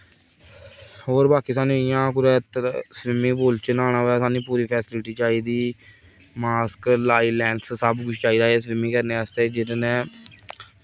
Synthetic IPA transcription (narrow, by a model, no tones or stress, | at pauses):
hoːɾbaːkiːsaːnũːɪjãːkʊɾɛːt̪sʋɪmĩːpoːlt͡ʃənaːñaːoaːsaːnĩːpuːɾiːpʰɛːsɪlɪʈiːt͡ʃaːiːd̪iː | maːsklaːiːlɛːɳɖssəbkʊt͡ʃʰt͡ʃaːiːd̪aːeːsʋɪmĩːkəɾneːast̪eːd͡ʒɪtnẽː